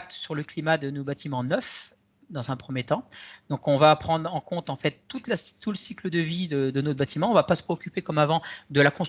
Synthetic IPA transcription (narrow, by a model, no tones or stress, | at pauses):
k̚t̪syʁləklimad̪ənobat̪imɑ̃nœf | d̪ɑ̃zɛ̃pχəmjet̪ɑ̃d̪ɔ̃kɔ̃vapχɑ̃d̪ʁɑ̃kɔ̃t̪ɑ̃fɛt̪ːut̪lasuləsikləd̪əvid̪əd̪ənot̪bat̪imɑ̃ɔ̃vapasə̥pχeɔkʲypekɔmavɑ̃d̪əlakɔ̃s